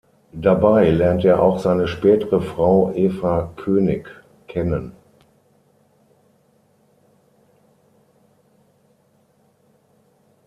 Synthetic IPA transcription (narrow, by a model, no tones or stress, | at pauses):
d̥abaɪlɛɐnteːɐʔaʊxz̥aɪnəʃpɛːtəʁəfʁ̥aʊʔeːfakʰøːnɪk | kʰɛnən